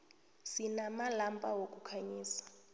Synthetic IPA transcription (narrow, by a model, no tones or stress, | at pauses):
sinamalampʼawokʼukʰaɲiːsḁ